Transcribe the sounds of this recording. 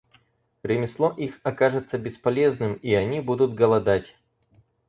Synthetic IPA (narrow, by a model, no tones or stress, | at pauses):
ɾʲɪmʲɪslˠoʔixɐkaʐɨt̪səbʲɪspɐlʲe̞znɨmiɐnʲibud̪ʊt̪̚ɡəlˠɐd̪atʲ